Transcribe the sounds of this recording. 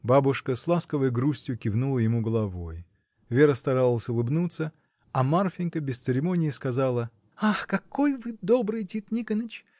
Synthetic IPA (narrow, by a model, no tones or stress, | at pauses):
babʊʂkəslˠaskəvəjɡɾusʲtʲjʊkʲɪvnulˠəjɪmuɡəlˠɐvo̞j | vʲe̞ɾəst̪ɐɾalˠəsʲʊlˠɨbnut̪sə | ɐmarfʲɪnʲkəbʲɪst̪sɨɾʲɪmo̞nʲɪjɪskɐzalˠə | axkɐko̞jvɨd̪obɾɨjtʲit̪nʲikənət͡ɕ